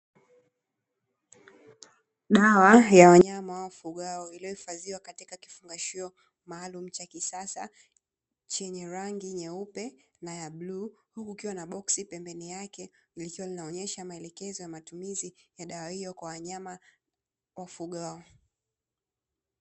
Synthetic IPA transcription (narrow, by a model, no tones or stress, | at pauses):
ɗawajawaɲamawafuɠaɔilijɔhifaziwakatikaki̥fuŋɡaʃiɔ | maːlum̩t͡ʃakisasa̰ | t͡ʃɛɲɛɾaŋɡiɲɛupɛ | najabluːhukukiwanaɓɔksipɛmbɛnijakɛilikiwalinaɔɲɛʃamaɛlɛkɛzɔjamatumizijaɗawahijɔkwawaɲama | wafuɠaɔ